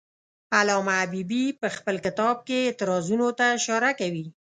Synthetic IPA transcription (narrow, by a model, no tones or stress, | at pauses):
alɑmaːbibipəxpəlkɪt̪ɑb̚keːt̪ɪɾɑzunot̪aʃɑɾakawi